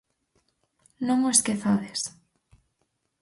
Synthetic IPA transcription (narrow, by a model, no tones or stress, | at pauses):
nõŋoeskeθaðes